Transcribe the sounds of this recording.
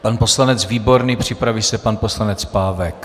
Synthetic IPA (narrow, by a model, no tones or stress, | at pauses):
panpo̞slanɛt͡sviːbo̞ɾniːpr̝̥ɪpɾavisɛpanpo̞slanɛt͡spaːvɛk